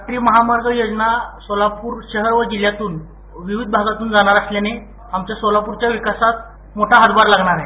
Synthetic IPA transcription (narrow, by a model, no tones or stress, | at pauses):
ʈɾiːməɦamaɾɡʱəjod͡znasolapuːɾɕəɦəɾʋəd͡ʑil̤jat̪uːn | ʋiʋid̪̚bʱaɡat̪uːnd͡zaɽ̃aɾasljane | amt͡ɕjasolapuɾt͡ɕjaʋikasat̪̚ | moʈʰaɦəd̪baɾlaɡɳaɾaɦe